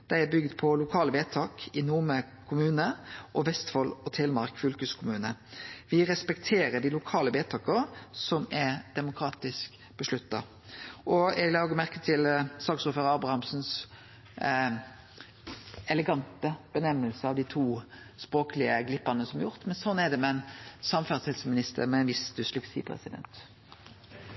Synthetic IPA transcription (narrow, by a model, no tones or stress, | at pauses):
d̪̥æɪæbʏɡd̪pʰɔlʊkʰɑːləbeːt̪ʰɑːkɪnumə | kʰʊmʉːnəʔɔʋɛst̪fɔlɔt̪ʰɛːlmɑɾkfʉlkʉskʰʊmʉːnəʋɪɾɛspɛkt̪ʰeːɾəd̪ɪlʊkʰɑːləbeːt̪ʰɑːkəsɔmæɾd̪̥ɛmʊkʰɾɑːt̪ɪsk | b̥əʂɭʉt̪ːɑ̰ | ʔɔɛɡlɑːɡəmæʁkət̪ʰɪlsɑːksɔːføːɾəɑːbɾʁɑhɑmsns | ɛləɡɑnt̪əb̥ənɛmːəlsəɑʋd̪ɪt̪ʰuː | spɾoːklɪəɡlɪpːɑnəsɔmɑɾjʊʁt̪mɛnsɔnːæd̪ɛmɛnsɑmfæʁshɛd̪smɪnɪst̪ʰə̰ɾmɛɛnʋɪst̪əslʉksḭːpʰɾɛ̰sɪd̪ɛ̰nt̪